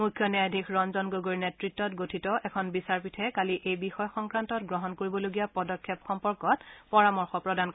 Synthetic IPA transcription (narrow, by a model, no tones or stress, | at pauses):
mujkʰjɔnjajdʱikɹɔnzɔnɡoɡoɹinetɹitːɔtɡotʰitɔʔɛkʰɔnbisaɹpitʰɛkaliʔejbixɔjxɔŋkɹantɔtɡɹɔɦɔnkoɹibɔloɡijapɔdɔkʰːjɛpxɔmpɔɹkɔtpɔɹamɔɹxɔpɹɔdank